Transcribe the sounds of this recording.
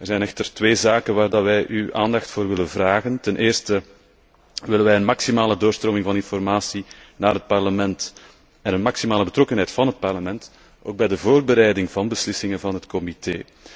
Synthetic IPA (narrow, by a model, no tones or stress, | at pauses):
ərzɛjnɛxtərtʋeːzaːkənʋaːrdaʋɛjʔyʔa̰ːndɑxtfoːrʋɪlənvraːɣəntɛnʔeːrstə | ʋɪlənʋɛjənmɑksimaːlədoːrstroːmɪŋvɑnɪnfɔrmaːsinaːrɦət̚pɑrləmɛnt | ɛnənmɑksimaːləbətɾɔkənɦɛjtfɑnɦət̚pɑrləmɛnt | ʔo̰ːɡ̚bɛjdəvoːrbəɾɛjdɪŋvɑnbəslɪsɪŋəvɑnɦətkɔmitḛː